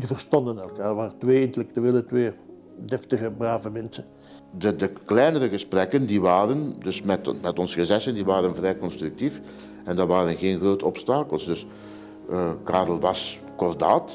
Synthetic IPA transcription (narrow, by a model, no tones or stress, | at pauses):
əvərstɑndənɛlˠkaːrʋaːrətʋeːɪntəlɛk̚tyeːlətʋeː | dɛftəɣəbraːvəmɛnsən | dədəklɛjnərəɣəsprɛkəndiʋaːɾəndɵsmɛtmɛtɔnsəɣəzɛsəndiʋaːɾənvrɛjkɔnstryk̚tif | ɛndɑʋaːɾənɣeːnɣroːtəɔpstaːkəlˠsdɵs | kaːrəlˠʋɑs | kɔrdaːt